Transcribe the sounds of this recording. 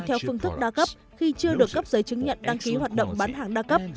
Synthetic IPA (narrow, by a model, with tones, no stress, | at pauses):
t̪ʰɛ˧wfɨ˧əŋt̪ʰɨ˦˥k̚ɗaː˧kə˦˥p̚ | xi˧t͡ɕɨ˧əɗɨ˨˩əkːə˦˥p̚zəː˨˦jt͡ɕɨ˨˦ŋɲə̰˧˨nɗa˧ŋki˨˦ɦwaː˨˩t̚ɗə̰˧˨wŋ͡mɓaː˨˦nɦaː˨˩ŋɗaː˧kə˦˥p̚